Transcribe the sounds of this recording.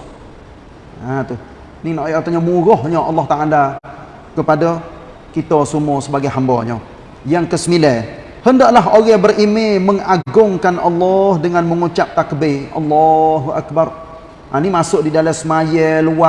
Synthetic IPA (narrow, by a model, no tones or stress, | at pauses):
at̪uh | ninaʔjʔat̪oɲamuɾɔhɲɔʔɑlːɑht̪aala | kəpadɔ | kit̪ɔsumɔsəbaɡajɦambɔ̰ɲɔ̰ | jaŋkəsəmilɛ | həndaʔlaɦoɣɛbərʔimeməŋaɡʊŋkanʔɑlːɔhdəŋanməŋut͡ʃap̚t̪akbeʔɑ̰lːɔɦuʔa̰k̚bar | ʔanimasʊʔdidalasəmajɛluwa